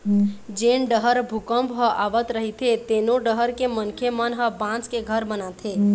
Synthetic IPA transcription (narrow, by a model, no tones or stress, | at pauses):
d͡ʒenɖəɦəɾbʱukəmbɦəʔaʋət̪ɾəɦit̪ʰet̪enoɖəɦəɾkemənkʰemənɦəbãt͡ʃkeɡʱəɾbənat̪ʰe